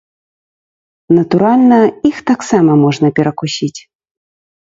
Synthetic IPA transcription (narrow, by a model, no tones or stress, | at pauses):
nɐt̪uɾalʲnɐixt̪aksamɐmɔʐnɐpʲɛɾɐkusʲit͡sʲ